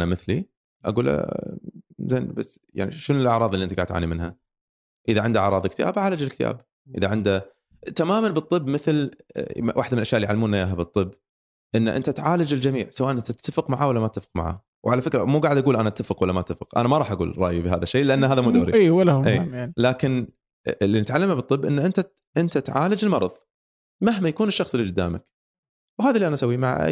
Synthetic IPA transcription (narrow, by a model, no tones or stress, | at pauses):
namɪθli | ʔa̰ɡuːlʔa̰ | zeːnbasːja̰ʕnḭʃʊnɪlʔaʕɾˤɑːðˤɪlːiɪnt̪aɡaːʕt̪ːʕa̰ːnimɪnɦa | ʔɪðaʕɪnd̪aɑʕɾˤɑːðˤk̚t̪ja̰ːbʕaːlad͡ʒɪlkt̪a̰ːb | ʔɪðaʕɪnd̪a | t̪amaːmanbɨt̪ˤːɨbːmɪθl | waːħd̪amɪnʔaʃjaʔljʕalːmuːnajaːɦabɨt̪ˤːɨbː | ʔɪnːaʔɪ̰nt̪at̪ʕaːlad͡ʒɪld͡ʒamḭːʕsawaːʔanʔɪnt̪at̪ːafəqmaʕaːwalːamat̪ːafɪ̥qma̰ʕa̰ː | wʕalafɪkɾamuːɡaʕɪd̪ʔaɡuːlʔanaʔt̪ːafəqwalːamat̪ːafɪqʔa̰namaɑɾˤɑːħʔaɡṵːlɾˤɑ̰ːʔjibiɦaːðaʃːejːlːɪʔanːaaːðamuːd̪aːɾḭiːwalʔḛːnlaːkɪn | lːinɪt̪ʕalːamabɨt̪ˤːɨbːʔɪnːaʔɪnt̪a | ʔɪnt̪at̪ʕa̰ːlad͡ʒɪlmɑɾˤɑ̰ðˤ | maɦmajakuːnɪʃːɑxsˤɪlːid͡ʒʊd̪ːa̰ːmak | wɦaːðalːiːʔanaʔasawːimaʕa̰ʔ